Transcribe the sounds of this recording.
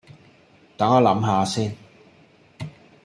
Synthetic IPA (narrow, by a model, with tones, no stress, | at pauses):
t̪ɐ˨˥ŋa˨˥lɐ˨˥mɦaː˨˧siː˥n